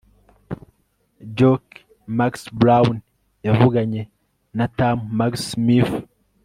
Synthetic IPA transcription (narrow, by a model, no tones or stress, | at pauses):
d͡ʒok | maksbɾawn | javuɡaɲe | natamːaksmif